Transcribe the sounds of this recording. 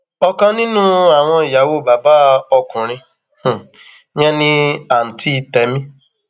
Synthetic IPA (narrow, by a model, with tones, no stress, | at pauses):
ɔ˧kã˧nĩ˦nũ˦a˨w̃ɔ̃˧i˨ja˨˦wo˦˨ba˨ba˦ɔ˧kũ˨ɾ̃ĩ˧ | h̩˨ | j̃ɛ̃˦nĩ˧a˨n̩˨ti˧˦˧tɛ˨˦mĩ˦